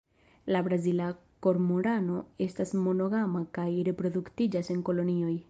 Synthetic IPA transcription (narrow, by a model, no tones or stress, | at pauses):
labɾazila | ko̞ɾmoɾano̞e̞stasmo̞no̞ɡamakajɾe̞pɾo̞duktid͡ʒase̞ŋko̞lo̞nio̞j